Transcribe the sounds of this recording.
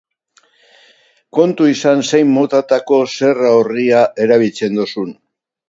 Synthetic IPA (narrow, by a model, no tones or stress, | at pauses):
ko̞nt̪uisanse̞jmːot̪at̪ako̞se̞raoriaʔe̞ɾaβ̞ilt͡se̞nd̪osun